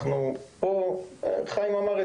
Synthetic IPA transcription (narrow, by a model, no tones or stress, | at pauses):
χnupot̪χajmamaʁɛ